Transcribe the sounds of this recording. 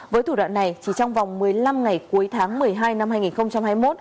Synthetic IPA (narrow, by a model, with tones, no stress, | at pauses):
vəː˨˦jt̪ʰu˧˩wa̰ː˧˨nːa˨˩jt͡ɕi˧˩t͡ɕɔ˧wŋ͡mva˨˩wŋ͡mmɨ˨˩əjla˧mŋa˨˩jku˨˦jt̪ʰaː˨˦ŋmɨ˨˩əjɦaː˧jna˧mhaː˧jŋi˨˩nxə˧wŋ͡mt͡ɕa˧mhaː˧jmo˦˥t̚